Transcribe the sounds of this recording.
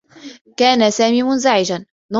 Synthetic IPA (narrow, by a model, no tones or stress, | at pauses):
kaːnasaːmiːmʊnzaʕɪd͡ʒan | nɑ